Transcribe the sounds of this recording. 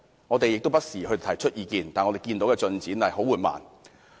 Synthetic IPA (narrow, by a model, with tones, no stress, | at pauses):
ŋɔː˨˧t̪e˨jɪ˨k̚t̪o˥wpɐ˥t̚siː˨˩hɵ˧t̪ʰɐ˨˩jt͡ʃʰɵ˥t̚ʔjiː˨˧kiː˧nt̪aː˨nŋɔ˨˧t̪e˨jkiː˧nt̪o˨˥wkɛː˧t͡ʃɵ˧nt͡siː˨˥nɐ˨jɦo˨˥wuː˨˩nma̰ː˨˩n